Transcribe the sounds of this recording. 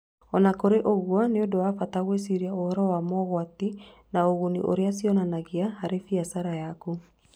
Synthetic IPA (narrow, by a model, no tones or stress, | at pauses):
ɔnakoɾeʔoɣwaneodowafataɣwes̬iɾiaohɔɾɔwamɔɣwatinaoɣonḭʔo̰ɾeasiɔnanaɣeahaɾefiasaɾajaku